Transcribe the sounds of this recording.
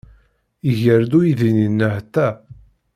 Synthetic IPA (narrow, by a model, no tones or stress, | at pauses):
iʝəɾd̪ujiðininːəht̪ːæ